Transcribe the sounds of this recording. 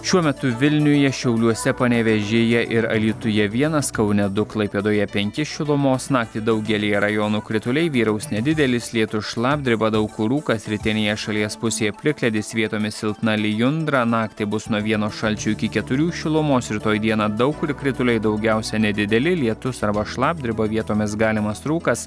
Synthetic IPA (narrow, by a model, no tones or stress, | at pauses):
ʃʲuɔmʲɛt̪ʊʋʲɪlʲnʲʊjɛʃʲɛʊlʲuɔsʲɛpɐnʲɛʋʲɛʒʲɪjɛʔɪɾɐ̰lʲiːt̪ʊjɛʋʲiɛnɐskɐʊnʲɛd̪ʊklˠɐɪpʲeːd̪oːjɛpʲɛŋʲkʲɪʃʲɪlˠʊmoːsnɑːk̚t̪ʲɪd̪ɐʊɡʲɛlʲiːjɛɾɐjoːnuːkɾʲɪt̪ʊlʲɛɪʋʲiːɾɐʊsnʲɛd̪ʲɪd̪ʲɛlʲɪslʲiɛt̪ʊʃlˠɑːbʲd̪ʲɾʲɪbɐd̪ɐʊkʊɾuːkɐsʲɾʲɪt̪ʲɪnʲeːjɛʃɐlʲiɛspʊsʲeːjɛpʲlʲɪklʲɛd̪ʲɪsʋʲiɛt̪oːmʲɪsʲɪlˠt̪nɐlʲɪjʊnd̪ɾɐnɑːkt̪ʲɪbʊsnuɔʋʲiɛnoːʃɐlʲt͡ʃʲuːɪkʲɪkʲɛt̪ʊɾʲuːʃʲɪlˠʊmoːsɪt̪oːjd̪ʲiɛnɑːd̪ɐʊkɾʲɪkɾʲɪt̪ʊlʲɛɪd̪ɒʊɡʲɛʊsʲɛnʲɛd̪ʲɪd̪ʲɛlʲɪlʲiɛt̪ʊsɐɾbɐʃlˠɑːb̚ʲd̪ʲɾʲɪbɐʋʲiɛt̪oːmʲɪsɡɑːlʲɪmɐsɾuːkɐs